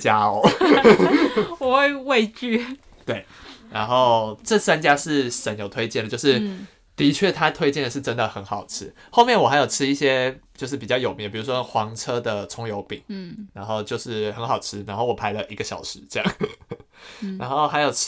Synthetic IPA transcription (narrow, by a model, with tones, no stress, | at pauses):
t͡ɕja˦˥ɔ˨˦ | wɔ˨˩xwe˥˧ɪwe˥˧ɪt͡ɕy˥˧ | t̪we˥˩ɪna˧˥nxo˥˩ʊʈ͡ʂɤ˥˩sa˥nt͡ɕja˥ʂɻ̩˥˩ʂə˨˥njo˨˩ʊt̪ʰwe˥ɪt͡ɕjɛ˥˩ndə˩t͡ɕjo˥˧ʊʂɻ̩˥˩ | t̪i˧˥t͡ɕʰɥɛ˥˩t̪ʰa˦˥t̪ʰwe˥ɪt͡ɕjɛ˥˩nd̪ə˩ʂɻ̩˥˩ʈ͡ʂə˦nd̪ə˨˩xə˧˥nxɑ˨˩ʊʈ͡ʂ̩ʰ˥ | xo˥˧ʊmjɛ˥˩nwɔ˨˩a˧ɪjo˨˩ʈ͡ʂʰɻ̩˥i˥˩ɕjɛ˥t͡ɕjo˥˧ʂɻ̩˥˩pi˨˩t͡ɕjɑ˥˩ʊjo˨˩ʊmjɛ˨˥˩npi˨˩ɻu˧˥ʂwɔ˦xwɑ˧˦ŋʈ͡ʂʰɤ˥d̪ə˨ʈ͡ʂʰʊ˧˥ŋjo˧˥ʊpḭ˨˩˦ŋna˧˥nxo˥˧ʊt͡ɕjo˥˧ʊʂɻ̩˥˩xə˧˥nxɑ˨˩ʊʈ͡ʂʰɻ̩˥na˧˥nxo˥˩ʊwɔ˨˩pʰa˧˥ɪlə˨ʔi˧˥ɡə˨˩ɕjɑ˨˩ʊʂɻ̩˧˦ʈ͡ʂɤ˥˧jɑ̰˥˩ŋ | na˧˥nxo˥˩ʊxa˧˥ɪjo˨˩ʊ